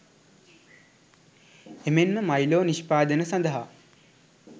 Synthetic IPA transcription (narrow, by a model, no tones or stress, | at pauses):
emenməmajloːniʃpaːd̪ənəsand̪əɦa